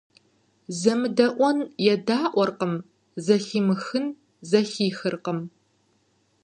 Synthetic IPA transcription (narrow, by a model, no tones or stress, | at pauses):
zɐmɨdɐʔʷɔnjɛdaːʔʷɔrqəm | zɐxiːmɨxɨn | zɐxiːxɨrqəm